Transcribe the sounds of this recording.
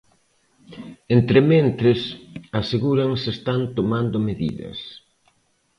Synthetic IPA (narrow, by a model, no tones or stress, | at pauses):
ent̪ɾɪmẽnt̪ɾɪsaseɣuɾaŋsest̪ant̪omand̪omeðḭðɐ̰s